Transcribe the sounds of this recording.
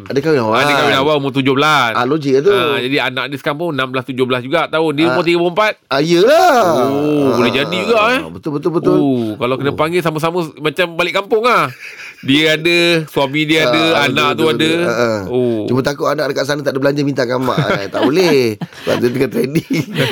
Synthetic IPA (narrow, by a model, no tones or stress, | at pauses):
adəkawinawaadəkawinawaumʊt̪̬ud͡ʒʊhbəlasalod͡ʒiʔat̪̬uad͡ʒadianaʔadəsə̥kampʊŋnamblast̪ud͡ʒʊhbəlasd͡ʒuɡaʔt̪aodiəmʊt̪iɡəpuəmpat̪̚aijəlaobolɛɦd͡ʒadid͡ʒuɡaʔbət̪ʊlbət̪ʊlbət̪ʊokalawkənəpaŋɡɪsaməs̬aməmat͡ʃambalɪʔkampʊŋah | diəadəsuamidiəadəanãʔt̪uadəəʔəot͡ʃumət̪akuʔanaʔdakaʔs̬anat̪aʔdəbəlaɲd͡ʒəmint̪akama̰ʔt̪a̰ʔbolɛ | a̰ʔət̪̬əkat̪ɾɛdi